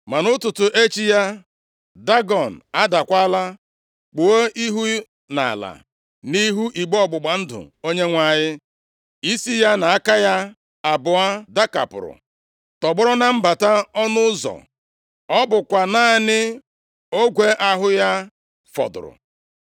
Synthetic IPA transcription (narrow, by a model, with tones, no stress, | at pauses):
ma˨nʊ˦tʊ˨tʊ˨ʔe˦t͡ʃi˦ja˦ | da˦ɡɔ˨n̩˨a˦da˨kʷa˦la˦ | k͡pʊ˨o˦ʔi˦ɦu˦ | na̰˨la̰˨ | ni˦ɦu˦ʔi˨ɡ͡bɔ˦ɡ͡bʊ˨ɡ͡ba˨n̩˦dʊ̰˨o˦ɲe˦ŋʷa˦˨ɲɪ˦ | i˦si˦ja˦na˨a˦ka˦ja˦ | a˨bʊ˨a˦da˦ka̰˨pʊ̰˨ɾʊ̰˨ | tɔ˨ɡ͡bʊ˦ɾʊ˦na˦m̩˦ba˨ta˦ɔ˦nʊ˦zɔ̰˨ | ɔ˦bʊ˨kʷa˨naː˦nɪ˦ | o˦ɡʷe˦ʔa˦ɦʊ˦ja˦ | fɔ̰˨dʊ̰˨ɾʊ̰˨